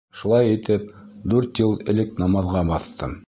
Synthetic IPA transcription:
ʃulˠɑjit̪ɘp̚d̪ʉɾt̪jɤlˠɘ̆lɘknɑmɑðʁɑbɑθt̪ʰɤm

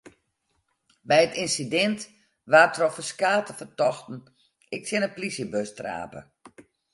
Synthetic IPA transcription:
bɛjətɪnsidɛnt | ʋaːtʰrɔfəskaːtəfərtɔxtn̩ | ɪk̚sɪnəplisjəbøstra̰ːpə̰

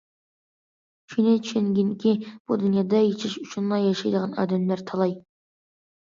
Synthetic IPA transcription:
kʰyjnɛt͡ʃʰy̥ʃenɡʲinɪkʲib̥ud̪unjɑːd̪ɑjet͡ʃʰɪʃuʃʰunlˠɑjjɑʃɑjd̪əʁɑnɑ̰ːd̪ɛmlæɾt̪ʰɑlˠɑj

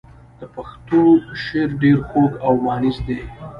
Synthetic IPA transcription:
d̪̥əpaxt̪oʃeɾɖeɾxoɡawmɑnizd̪e

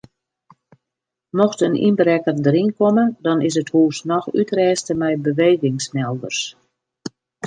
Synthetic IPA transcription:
mɔxtənḭnbəɾɛkərdəɾinkomədɔnɪs̬əthuːsnɔxytrɛːstəmɛjbəʋeːɣɪŋsmɛlˠdərs

